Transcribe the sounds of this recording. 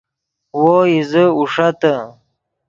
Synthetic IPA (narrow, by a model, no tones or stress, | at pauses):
woizəuʂat̪ə